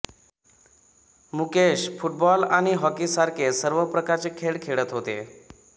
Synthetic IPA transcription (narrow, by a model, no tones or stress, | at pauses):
mukeɕfuʈ̚bɔlaɽ̃iɦɔkisaɾkʰesəɾʋəpɾəkaɾt͡sekʰeɽkʰeɭət̪ɦot̪ḛ